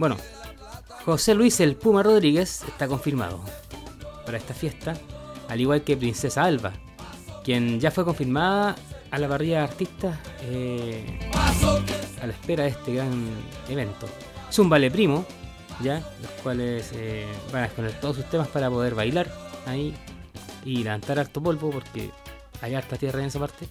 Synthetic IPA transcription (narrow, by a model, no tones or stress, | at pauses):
bweno̰ | xo̞se̞lwiselpumaro̞ðɾiɣesḛst̪ako̞ɱfiɾma̰ð̞o̰ | paɾaest̪afje̞st̪aːliɣwalkepɾinse̞saalβa̰ | kjenɟ͡ʝafwe̞ko̞ɱfiɾmaðaːlaβariʝaːɾt̪ist̪ae | alaespeɾaðeht̪eɣɾaneβe̞nt̪o̰ | esumbalepɾimo | ɟ͡ʝaloskwalesebanaesponeɾt̪o̞ðos̬ust̪emaspaɾapo̞ðe̞ɾβajlaɾai | ileant̪aɾaɾt̪opo̞lβopoɾkḛ | ajaɾt̪at̪jeraenesapaɾt̪e